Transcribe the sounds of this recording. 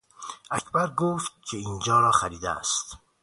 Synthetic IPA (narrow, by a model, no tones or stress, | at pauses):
ʔæcʰbæɾɡoːft̪̚cʰe̞iːnd͡ʒɒːɾɒːxæɾiːd̪eæ̰st̪